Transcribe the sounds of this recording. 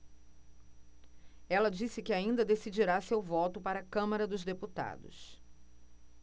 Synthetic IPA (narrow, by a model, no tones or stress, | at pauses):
ɛlɐd͡ʒisɪkɪaĩnd̪ɐd̪esid͡ʒiɾasewvɔt̪ʊpaɾɐkɐ̃mɐɾɐd̪ʊzd̪eput̪a̰d̪ʊ̰s